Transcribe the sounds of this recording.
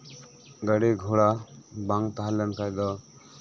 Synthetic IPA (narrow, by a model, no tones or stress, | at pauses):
ɡəɽeɡʱuɭabaŋt̪aɦalɛnkajd̪ɔ